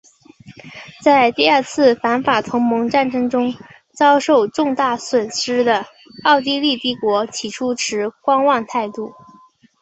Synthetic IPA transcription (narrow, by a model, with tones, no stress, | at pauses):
t͡sa˥˧ɪt̪i˥˧a˞˥˧t͡sʰɹ̩˥˩fa˧˥nfa˨˩t̪ʰʊ˧˥ŋmɤ˧˥ŋʈ͡ʂa˥˩nʈ͡ʂɤ˥ŋʈ͡ʂʊ˥ŋ | t͡sɑ˥ʊʂo˥˧ʊʈ͡ʂʊ˥˧ŋt̪a˥˩swə˨˩nʂɻ̩˥d̪ə˨ | ɑ˥˩˧ʊt̪i˥˧li˥˧t̪i˥˩kwɔ˧˥t͡ɕʰi˨˩ʈ͡ʂʰu˥ʈ͡ʂʰɻ̩˧˥kwɑ˥ŋwɑ˥˧ŋt̪ʰa˥˧ɪt̪u˥˩